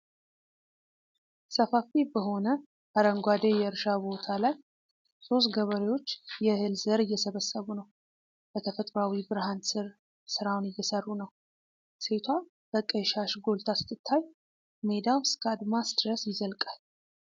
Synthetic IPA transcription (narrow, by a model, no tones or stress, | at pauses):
səfafibəɦo̞nə | ʔaɾəŋɡʷad̪ejɛɨɾʃabo̞t̪ʰalaj | so̞st̪ɡəβəɾewo̞t͡ʃːjɛhɨlzəɾɨjːɛsəβəsːəβunəw | b̥ət̪ʰəfət̪ʼɾawibɨɾhansɨɾ | sɨɾawnɨjːɛsərːunəw | se̞t̪ʰwa | b̥əkʼːəjʃaʃɡo̞lt̪ʰasɨ̥t̪ʰːɨt̪ʰːaj | me̞d̪awskʰʼad̪masd̪ɾəsjɪzəlkʼal